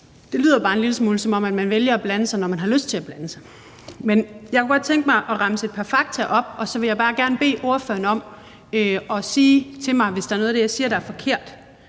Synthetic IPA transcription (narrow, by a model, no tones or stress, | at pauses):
d̥e̝ly̰ːð̰ˠɐb̥ɑ̈ːe̝nliləsmuːlsɒ̽mɒ̽m̰æd̥mænʋeljɐæb̥lænəsɑ̈ɪnɒmænɦɑ̈løsd̥̚t͡sʰe̝æb̥lænəsɑ̈ɪ | menjɑaɪkʰuɡ̥ɒ̽d̥̚t͡sʰeŋ̰ɡ̥əmɑ̈ɪʔɒ̽ʁɑ̈məse̝d̥̚pʰɑfɑ̈ɡ̥̚t͡sʰæʔɒ̽b̥ɒ̽sɒ̽ʋe̝jɑ̈ɪbɑ̈ːɡ̥æɐnəb̥e̝̰ːʔo̝ɐfø̰ɐnəɒ̽m̰ | øɒ̽siːt͡sʰe̝mɑ̈ɪʋe̝sd̥eɐnɔ̽ð̞̩ˠdejɑ̈ɪsiːɐɾ̥ɑ̈æɐfɒ̽kʰe̝ɐ̰d̥